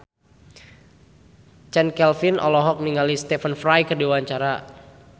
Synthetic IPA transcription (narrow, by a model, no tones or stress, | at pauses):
t͡ʃɛnkɛlfinʔɔ̰lɔɦɔk̚niŋalist̪ɛfənfrajkədiwaɲt͡ʃaɾa